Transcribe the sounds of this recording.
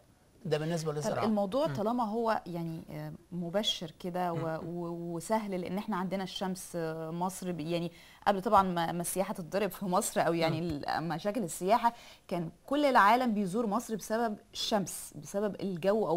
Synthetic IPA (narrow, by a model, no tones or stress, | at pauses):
d̪æbenːes̬bæleʔelmɑwd̪ˤuːʕt̪ːɑlɑːmɑɦowːæjaʕnimobæʃːeɾked̪æwewwesæɦlleʔḛnːʔeħnæʕand̪enæʃːæmsmɑsˤɾibjaʕni | ʔæ̰blt̪ˤɑbʕɑnmæmæsːejæːħæt̪et̪̚d̪ˤɑɾˤebfimɑsˤɾʔæwjaʕnilmæʃæːkelesːejæːħa | kæːnkolːelʕaːlæmbejzuːɾmɑsˤɾbesæbæbeʃːæmsbesæbæbelɡæwːʔæw